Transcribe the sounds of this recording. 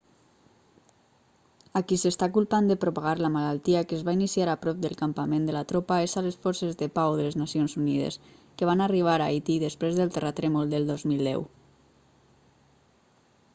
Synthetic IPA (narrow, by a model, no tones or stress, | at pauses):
akisəst̪akulˠpand̪əpɾopaɣ̞aɾləmalalˠt̪iəkəːzβainisiaɾapɾɔp̚d̪əlˠkampamẽnd̪əlat̪ɾopaesaləsfɔɾsezðəpawðələznasionzunið̞ə̰skəβ̞anariβ̞aɾajt̪iðəspɾezðəlˠt̪ərat̪ɾɛmulˠd̪əlˠd̪ɔzmilˠd̪ɛ̰w